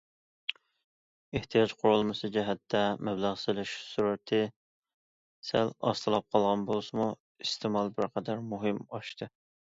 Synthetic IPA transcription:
eht̪ʰijɑt͡ʃqʰʊɾulˠmɨsɨd͡ʒɛɦɛt̪ʰːɛmɛblˠæʁsɨlɪʃsuɾɛt̪ʰɪ | sælɑ̰st̪ʰɨlˠɑp̚qʰɑlˠʁɑnbolˠsɨmu | ist̪ʰemɑlˠbɪɾqʰæd̪ɛɾmuɦɨmɑʃt̪ʰɨ

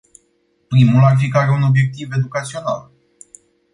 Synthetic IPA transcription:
pɾimularfikaɾeuno̞bje̞k̚t̪ive̞d̪ukat̪sio̞na̰l

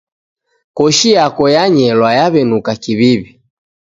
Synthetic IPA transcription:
kɔʃijakɔjaɲɛlwajaβɛnukakiβiβi

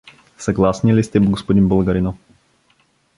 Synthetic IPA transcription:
sɐɡlˠasnilist̪ɛbɡospod̪inbəlˠɡɐɾinɔ

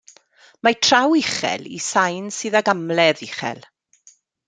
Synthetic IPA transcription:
matʰr̥awɪχɛ̰lḭsajnsɨːðaɡamlɛðiχɛ̰lˠ

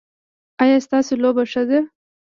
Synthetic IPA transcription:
ajɑst̪ɑsolobaʂəd̪a

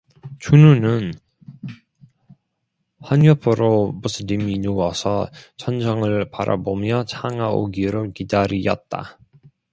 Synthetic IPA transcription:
t͡ɕununɯn | ɸwaɲʌpʰɯɾomusʰɯniminowʌsʰʌt͡ɕʰʌnd͡ʑʰʌŋɯɭpa̰ɾʔa̰bomjʌt͡ɕʰaŋao̰ɡiɾokidaɾijʌ̰t̚t͈a̰

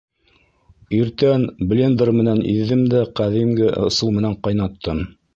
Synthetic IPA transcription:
iɾt̪ænblʲend̪ɾmɘ̆nænḭðːɘmd̪æqæðimɡɘʔɤ̆sɤlˠmɘ̆næɴqɑjnɑt̪ʰːɤm

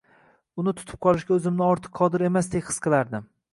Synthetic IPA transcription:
ʊnɪt̪ʰʊ̥t̪ʰɪ̥p̚qʰɒlˠɪʃɡʲaɵzɪmnɪɒɾt̪ʰɨ̥qʰːɒd̪ɪɾe̞masd̪ekʲhɨ̥sqʰɨlˠaɾd̪ɪm

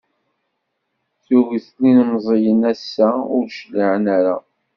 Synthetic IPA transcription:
θuɣəθlinmzˤejənæsːæʊɾʃliʕənaɾa̰

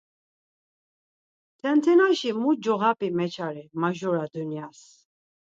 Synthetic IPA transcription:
t̪ʰɛnt̪ʰɛnaʃimud͡ʒɔɣapʼimɛt͡ʃʰaɾimaʒɔɾad̪unjas

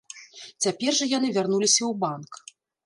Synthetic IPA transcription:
t͡sʲapʲɛrʐɐjanɨvʲarnulʲisʲɐwbank

